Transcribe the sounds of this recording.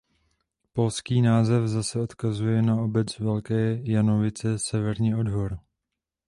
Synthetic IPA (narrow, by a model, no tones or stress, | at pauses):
po̞lskiːnaːzɛfzasɛo̞t̪kazujɛnao̞bɛt͡svɛlkɛːjano̞vɪt͡sɛsɛvɛɾɲiːo̞dɦoɾ